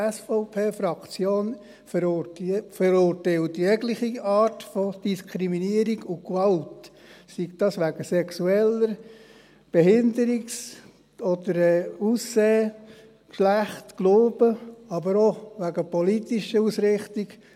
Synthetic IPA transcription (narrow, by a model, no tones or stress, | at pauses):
ɛsfɔʊpʰeːfɾɑkt͡sjoːn | f | fəɾʊɾtɛɪltjɛɡlɪχiɑːɾtfɔd̥iskʰɾiminiəɾiɡʊkʋɑltsiktɑsʋæɡ̥əsɛksuɛləɾ | b̥ɛhɪnd̪əɾiks | ɔd̪əɾɛːusːeː | kʃlæχtkloːb̥əɑbəɾɔʋæɡəpɔlitiʃəusɾɪχtiɡ